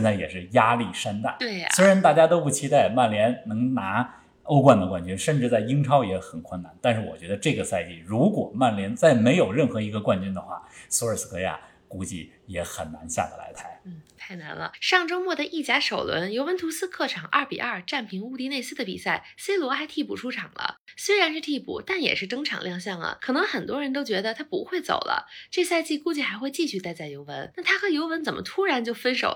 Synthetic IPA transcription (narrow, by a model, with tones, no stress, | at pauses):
ɛ˥˧nt͡sa˥˩ɪjɛ̰˨˩ʂɻ̩˥˩ja˥li˥˩ʂa˥nt̪a̰˥˩nt̪we˥˩ɪswe˥ɪɻa˧˥nt̪a˥˩t͡ɕja˥t̪o˥ʊpu˥˩t͡ɕʰi˥t̪a˥˧ɪma˥˩nljɛ˧˥nnɤ˧˥ŋna˧˥ | o˥ʊkwa˥˩nd̪ə˩kwa˥˩nt͡ɕy˥nʂə˥˧nʈ͡ʂɻ̩˥˧t͡sa˥˩ɪi˥ŋʈ͡ʂʰɑ˥ʊjɛ˧˥xə˨˩nkʰwə˥˩na˨˩nt̪a˥˧nʂɻ̩˥˩wɔ̰˨˩t͡ɕɥɛ˧˥d̪ə˧ʈ͡ʂɤ˥˩ɡə˩sa˥˧ɪt͡ɕḭ˥˩ɻu˧˥kwɔ̰˨˩ma˥˩nljɛ˧˥nt͡sa˥˩ɪme˧˥ɪjo˨˩ʊɻə˥˩nxɤ˧˥i˧˥ɡə˧kwa˥˧nt͡ɕy˥nd̪ə˨xwa̰˥˩sɔ˧˥ə˞˨˩s̩˥kɤ˧˥ja̰˥˩ | ku˧˥t͡ɕḭ˥˩ | jɛ˧˥xə˨˩nna˧˥nɕja̰˥˩d̪ə˩la̰˧˥ɪt̪ʰa˥˩ɪn̩˥˩t̪ʰa˥˩ɪna˧˥nlə̰˧ʂɑ˥˩ŋʈ͡ʂo˥ʊmwɔ˥˩d̪ə˩ʔi˥˩t͡ɕja˥ʂo˨˩ʊlwə̰˧˥njo˧˥ʊwə˧˥nt̪ʰu˧˥sɹ̩˥kʰɤ˥˩ʈ͡ʂʰɑ˨˩ŋʔɐ˥˩pḭ˨˩ʔɐ˞˥˩ʈ͡ʂa˥˩npʰi˧˥ŋu˥˧t̪i˥˧ne˥˧ɪsɹ̩˥˩d̪ə˨˩pḭ˨˩sa˥˩ɪse˥ɪlwɔ˧˥xa˧˥ɪt̪ʰi˥˩pu˨˩ʈ͡ʂʰu˥ʈ͡ʂʰɑ˨˩ŋlə̰˦swe˥ɪɻa˧˥nʂɻ̩˥˧t̪ʰi˥˩pṵ˨˩t̪a˥˩njɛ̰˨˩ʂɻ̩˥˧ʈ͡ʂɤ˥ŋʈ͡ʂʰɑ̰˨˩ŋljɑ˥˧ŋɕ̬jɑ˥˩ŋlə̰˩kʰɤ˨˩nɤ˧˥ŋxə˨˩nt̪wɔ˥ɻə˧˥nt̪o˥ʊt͡ɕɥɛ˧˥d̪ə˧t̪ʰa˥pṵ˧˥xwe˥˩ɪt͡so̰˨˩ʊlʔə̰˦ʈ͡ʂɤ˥˧sa˥˧ɪt͡ɕi˥˧ku˥˧t͡ɕi˥˩xa˧˥ɪxwe˥˧ɪt͡ɕi˥˧ɕy˥˧t̪a˥˧ɪt͡sa˥˩ɪjo˧˥ʊwə̰˧˥nna˥˩t̪ʰa˥xɤ˧˥jo˧˥ʊwə˧˥nt͡sə˨˩nmʔə̰˦t̪ʰu˥ɻa˧˥nt͡ɕjo˥˩ʊfə˥nʂo̰˨˩ʊ